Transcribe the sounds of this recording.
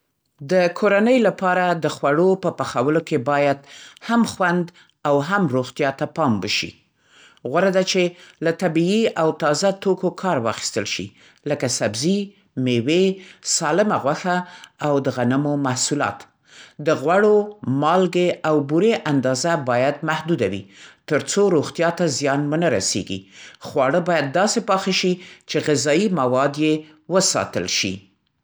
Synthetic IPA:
d̪əkʰoɾanəjlapɑɾad̪əxwaɽopəpaxawəlokebɑjad̪hamxwand̪ | awɦamɾoɣt̪jɑt̪apɑmwəʃḭ | ɣwaɾad̪at͡ʃelat̪abiiawt̪ɑzat̪okokʰɑɾwɑ̰xi̥st̪əlʃḭ | ləkasabzi | mewesɑlɪmaɣwaxaawd̪əɣanəmomahsulɑ̰t̪ | d̪əɣwaɽomɑlɡeawbuɾeʔand̪ɑzabɑjad̪mahd̪ud̪awḭt̪əɾt͡soɾoɣt̪jɑt̪azjɑnmʊnəɾa̰sḛɡḭxwɑɽəbɑjad̪̚ːɑsepɑxeʃit͡ʃeɣɪzɑimawɑd̪je | wəsɑ̰t̪ə̰lʃḭ

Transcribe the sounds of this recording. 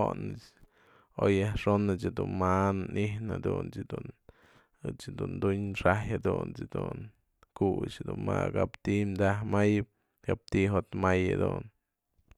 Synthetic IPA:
onɨt͡ʃ | ojahʂonɨt͡ʃad̪unmannʔihna̰d̪unt͡ʃd̪un | ɨt͡ʃd̪und̪uɲʂajad̪unt͡ʃd̪un | kut͡ʃad̪unmakapt̪imd̪ahmajɨp̚ | kap̚t̪iɦot̪majad̪un

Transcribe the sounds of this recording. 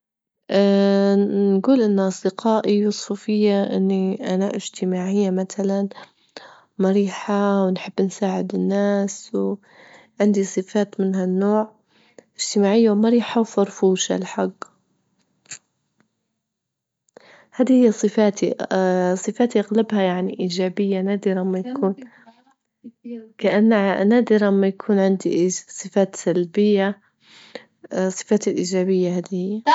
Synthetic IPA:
ʔa | nɡuːlʔɪnːʔɑsˤd̪ɪqaːʔijʊsˤfufɪjːaʔɪ̰nːiʔanaʔɪʒt̪ɪmaːʕɪjːamat̪alan | maɾiːħawɪnħɪbːnsaːʕɪd̪ɪnːaːsw | ʕɪnd̪isˤɨfaːt̪mɪnɦanːoːʕ | ʔɪd͡ʒ̥t̪ɪmaːʕɪjːawmaɾiːħawfɑɾˤfuːʃa̰lħaɡː | haːd̪ihɪjːasˤɨfaːt̪isˤɨfaːt̪iʔaɣlabhajaʕniʔiːd͡ʒaːbɪjːanaːd̪ɪɾamːajakʰuːn | kaʔanːanaːd̪ɪɾmːajakʰuːnʕɪnd̪iʔsˤɨfaːt̪salbɪjːa | sˤːɨ̥faːt̪ɪlʔiːd͡ʒaːbɪjːahaːd̪ihɪjːa

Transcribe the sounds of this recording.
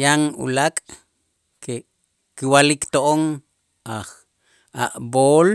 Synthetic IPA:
jaŋṵlakʼ | ke | kiwalikt̪oʔoŋ | aχ | a̰ʔboːl

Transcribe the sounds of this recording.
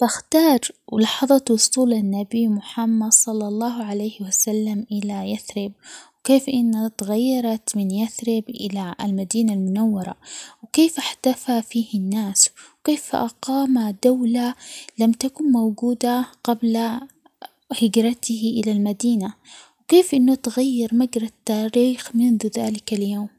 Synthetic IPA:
t̪ɪxt̪ɑːɾˤwlɑħɑðˤɑt̪wʊsˤuːlanːabimʊħamːad̪sˤɑlːɑlˤːɑːɦʕalejhɪwasalːamʔɪlajaθɾɪb̚wkeːfʔɪnːat̪aɣajːɑɾˤɑt̪mɪnjaθɾɪbʔɪ̰lalmad̪iːnalmʊnawːɑɾˤɑ̰wkeːfʔaħt̪afafiːhɪnːaːswkeːfʔa̰qɑːmad̪awlalamt̪akʊnmawɡuːd̪aqabla | hɪɡɾɑt̪ɪhʔɪlalmad̪iːnawkeːfʔɪnːʊt̪ɣajːɑɾˤmaɡɾˤɑt̪ːaːɾiːxmɪnðuðaːlɪkaljoːm

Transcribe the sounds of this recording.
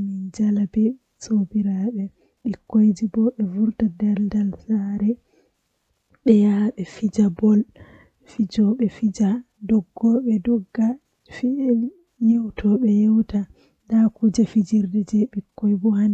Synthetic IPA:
mind͡ʒalabɛ | sobiɾaɓɛ | ɓikːojd͡ʒibɔɓɛvuɾtadɛldalsaɾɛ | ɗɛjaɓɛfid͡ʒabɔl | fid͡ʒɔɓɛfid͡ʒa | dɔɡːɔɓɛdɔɡːa | fi | jewtʰɔɓɛjewta | dakud͡ʒafid͡ʒiɾdɛd͡ʒɛɓikːɔjbɔhan

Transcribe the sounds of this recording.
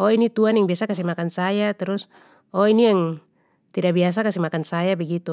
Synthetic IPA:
ɔinit̪uanjaŋbiasakas̬imakansajat̪ɛɾus | ɔiniaŋ | t̪idabias̬akasimakansajabɛɡit̪u

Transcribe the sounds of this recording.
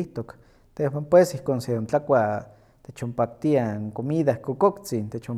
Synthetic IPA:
iht̪ok | t̪ewampwesihkonseont͡ɬakʷa | t̪et͡ʃompak̚t̪iaŋkomiðahkokokt͡sint̪et͡ʃo

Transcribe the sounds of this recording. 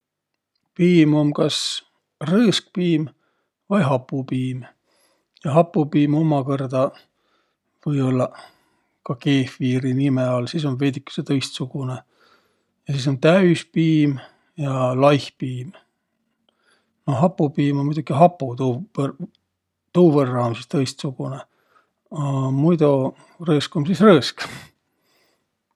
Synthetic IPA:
piːmo̞mkɑs | rɤːsk̚piːm | vɑjɦɑpːˑupiːm | jɑɦɑpːupiːmomɑkɤrd̪ɑ | vɤjo̞lːɑ | kɑke̞ːfiːɾinimeɑlsiːs̬o̞nved̪ikːˑu̥set̪ɤjst̪suɡ̥une | jɑsiːs̬o̞nt̪æyspiːm | jɑlɑjhpiːm | noɦɑpːupiːmonmujd̪̥ukiɦɑpːut̪u | t̪uːverːɑomsist̪ɤjst̪suɡ̥une | ɑmujd̪o | rɤːskomsisrɤːsk

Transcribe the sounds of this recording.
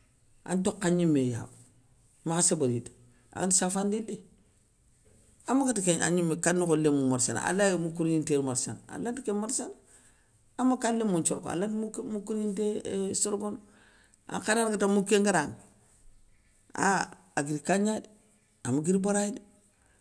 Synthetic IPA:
a̰ntokːaɲimːeja̰b | maxasebaɾitḁ | a̰ɡantisafandilːi | amːaɡatikea̰ɲimekanːikolemumaɾsa̰na̰a̰lajmukuɾɲinteɾmaɾsa̰naa̰lantikemaɾsana | amakalːemunt͡ʃoɾka̰latmmukuɾɲintesoɾɡon | a̰kananɡatamukːeŋɡaɾaŋ | a̰ | aɡiɾkaɲadi | amaɡiɾibaɾadi

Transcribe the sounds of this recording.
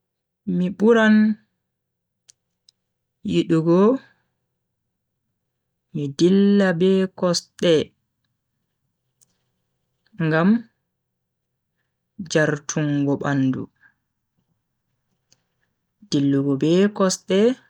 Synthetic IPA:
miɓuɾan | jiɗuɡɔ | midilːabɛkɔsɗɛ | ŋɡam | d͡ʒaɾtʰuŋɡɔɓandṵ | d̥ilːuɡɔbɛkɔsɗɛ

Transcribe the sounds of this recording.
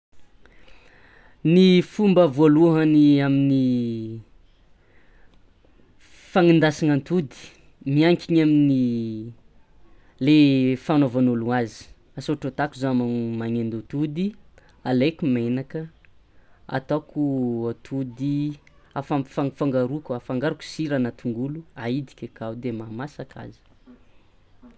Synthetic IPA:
nifumbəvoluɦaniamini | faŋind̪asiŋant̪ud̪i̥ | miaŋkʲiɲamini | lefanovanoluazi̥ | asoʈ͡ʂot̪akuzamamaŋend̪ut̪ud̪i | alekumenakə | a̰t̪akuat̪ʰud̪i | afafaŋfaŋɡaɾukafaŋɡaɾuku̥siɾanat̪ʰuŋɡuluaid̪i̥kʲekawd̪emamasakʰa̰zə̥

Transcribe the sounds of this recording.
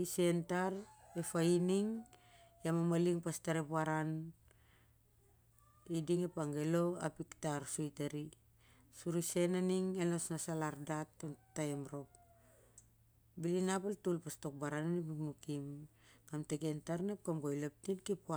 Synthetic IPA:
ise̞ntaɾe̞fainiŋ | jamamaliŋpastaɾepuaɾan | idiŋepaŋɡe̞lo̞a̰piktaɾsojtaɾi | suɾise̞naniŋenosnasalaɾdat̚ːatːaemɾo̞k̚ | bilinapaltulpasto̞k̚baɾananipikmukim | ɡ̥amteke̞ntaɾnep̚kamɡojlap̚tinkipua

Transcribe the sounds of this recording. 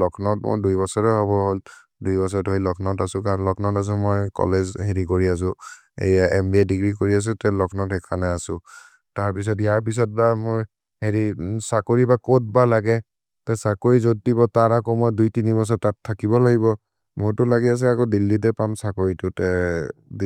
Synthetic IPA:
lɔkʰnɔtmo̰jdujbɔsɔɹɛɦɔbɔɦol | dujbɔs̬ɔtojlɔkʰnɔtasʊ̃kaɹlɔkʰnɔtas̬ɔmojkɔ̰lezɦeɹikoɹias̬ʊ̃ | ḛjaʔɛmbiɛdiɡɹikoɹias̬ʊ̃tɛlɔkʰnɔtɛkʰanɛasʊ̃ | taɹpis̬ɔtijaɹp̬is̬ɔt̚bamoj | heɹisakoɹibakot̚balaɡɛ | tɛsakoɹizodːibɔtaɹakɔmojdujtinibɔs̬ɔtatʰːakibɔlaɡibɔ | moɹtʊlaɡias̬ɛakodilːit̬ɛpamsakoɹitʊtɛ

